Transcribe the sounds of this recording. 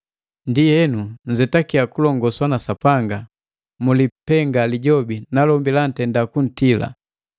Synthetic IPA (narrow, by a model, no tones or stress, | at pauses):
ndijɛnun̩zɛtakiakulɔŋɡɔswanasapaŋɡa | mulipɛŋɡaliɟɔbinalɔmbilan̩tɛndakun̩tila̰